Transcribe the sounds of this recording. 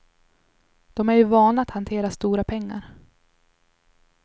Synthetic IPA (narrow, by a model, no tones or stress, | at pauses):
d̪̥ɔmæɾjɵvɑːnaat̪hant̪ʰeːɾast̪uːɾapʰɛŋːa̰ɾ